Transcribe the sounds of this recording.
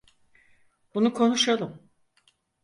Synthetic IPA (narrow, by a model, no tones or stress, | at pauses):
bunukʰo̞nuʃalˠɯm